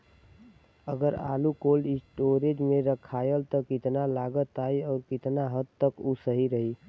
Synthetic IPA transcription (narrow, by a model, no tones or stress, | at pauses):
əɡəɾa̰ːlukoːlɪsʈoːɾed͡ʒmẽɾəkʰaːjəlt̪ɔkɪt̪nalaːɡət̪aːiɔːɾkɪt̪naɦəd̪̚t̪əkusəɦiɾəɦi